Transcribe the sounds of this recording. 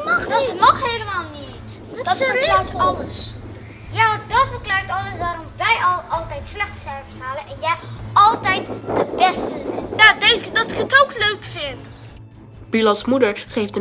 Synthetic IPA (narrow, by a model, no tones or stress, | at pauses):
dmɑχɦejləmaːlˠnit | dəlaːɹɑləs | jaːdɑtfərklaːɹtɑləsʋaːɾɔmʋɛjɑlˠɑlˠtɛjtslɛχtsɛɹvəsɦaːlənʔɛnjɛjɑlˠtɛjtd̥əbɛstəzɛjadɛŋdɑtɪkətowkløɥkfɪnt | b̥ilɑsmudəɹχejftə